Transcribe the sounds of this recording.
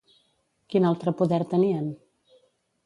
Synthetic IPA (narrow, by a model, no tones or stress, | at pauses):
kinalˠt̪ɾəpuðɛɾt̪əniən